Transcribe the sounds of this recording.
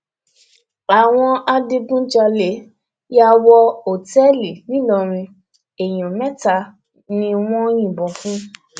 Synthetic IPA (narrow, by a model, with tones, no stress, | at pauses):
a˨w̃ɔ̃˧a˧de˧ɡũ˦d͡ʒa˧le˨˦ | ja˧wɔ˧o˨tɛ˦li˨nĩ˦lɔ˧ɾ̃ĩ˧ | e˨j̃ɔ̃˨mɛ̃˦ta˧ | nĩ˧w̃ɔ̃˦j̃ĩ˦˨bɔ̃˨fũ˦